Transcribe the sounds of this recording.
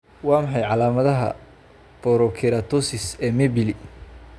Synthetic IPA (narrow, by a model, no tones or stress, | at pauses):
wɑːmɐħɑjʕɑlaːmɐðɐɦɐ̰ | b̥ɔɾɔkʰɪɾat̪ʰɔsɪsɛːmɛbɪli